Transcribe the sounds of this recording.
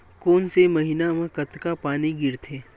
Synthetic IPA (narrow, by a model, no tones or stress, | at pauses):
koːnsemɐɦinamẽkɐt̪kapaːniɡɪɾt̪ʰeː